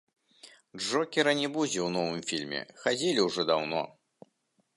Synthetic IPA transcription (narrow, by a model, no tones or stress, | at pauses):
ʐɔkʲɛɾɐnʲɛbud͡zʲɛwnɔvɨmfʲilʲmʲɛ̰xad͡zʲelʲiwʐɔd̪awnɔ̰